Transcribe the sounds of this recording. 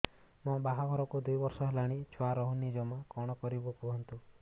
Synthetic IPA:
mɔ̃baɦaɡʱɔɾɔkud̪ujbɔɾsɔɦelaɽ̃it͡ʃʰɔaɾɔɦunid͡ʒɔmɔkɔɽ̃ɔkɔɾibukuɦɔnt̪u

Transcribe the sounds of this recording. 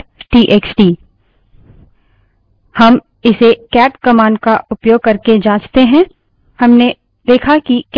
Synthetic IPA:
ʈiːʔeːksʈiː | hɐm | ɪsekɛːʈkɐmaːnkaʔʊpjoːɡ̚kɐɾked͡ʒaːd͡ʒt̪eɦɛ̃ | hɐmne | d̪eːkʰakik

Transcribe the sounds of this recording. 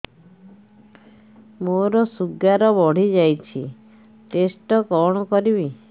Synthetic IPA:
moɾɔsuɡːaɾɔbɔɽ̤id͡ʒajt͡ʃʰḭ | ʈesʈɔkɔɽ̃ɔkɔɾiβi

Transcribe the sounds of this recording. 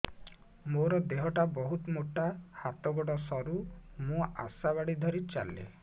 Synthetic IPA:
moɾɔd̪eɦɔʈabɔɦut̪moʈahat̪ɔɡɔɽɔsɔɾumũa̰saβaɽid̪ʱɔɾit͡ʃa̰lːḛ

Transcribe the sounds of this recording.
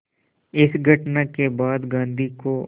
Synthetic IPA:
ɪsɡʱɐʈnakebaːd̪ɡãːnd̪ʱiko

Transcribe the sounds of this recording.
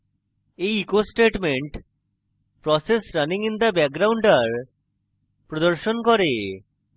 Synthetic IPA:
ejikosʈeʈmeɳʈ | pɾɔsesɾaniŋind̪abɛk̚ɡɾawɳɖaɾ | pɾod̪oɾʃonkɔɾe

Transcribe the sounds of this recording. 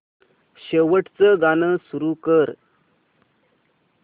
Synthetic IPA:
ɕəʋəʈt͡səɡanəsuɾuːkəɾ

